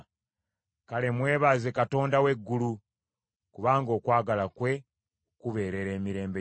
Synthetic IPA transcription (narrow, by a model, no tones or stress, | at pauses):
kale̞mwe̞ːβaːzekato̞ːndawe̞ɡːulu | kuβaːŋɡo̞ːkwaːɡalakwe̞ | kuβe̞ːɾe̞ɾe̞ːmiɾe̞ːmbe